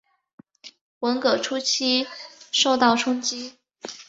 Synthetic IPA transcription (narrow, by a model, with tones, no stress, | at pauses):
wə˧˥nkɤ˨˩ʈ͡ʂʰu˥t͡ɕʰi˥ʂo˥˧ʊt̪ɑ˥˩ʊʈ͡ʂʰʊ˥ŋt͡ɕi˥